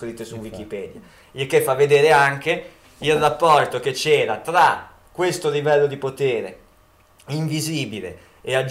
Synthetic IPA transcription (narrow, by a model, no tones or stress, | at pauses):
kɾit̪ːesuwikipɛːd̪ja | ilk̟efːavːed̪eːɾeaŋk̟e | ilrapːɔrt̪ok̟et͡ʃːɛːɾat̪ɾa | kːwest̪olivɛlːod̪ipot̪eːɾḛ | iɱviziːbilḛ | ead͡ʒ